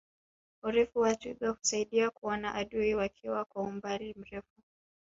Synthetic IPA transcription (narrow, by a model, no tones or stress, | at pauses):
uɾɛfuwatuɗahu̥saiɗiakuɔnaʔaɗuiwakʰiwakwaumbaɾim̩ɾɛfu